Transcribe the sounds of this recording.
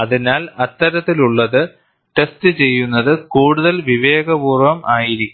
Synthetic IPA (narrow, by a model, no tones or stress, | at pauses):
ɐðinaːlɐt̪ːɐɾɐt̪ːiluɭːɐðɨ | ʈe̞stɨt͡ɕe̞jːunːɐðɨkuːɽuðɐlʋiʋe̞ːɡɐbuːrʋɐmaːjiɾikʲː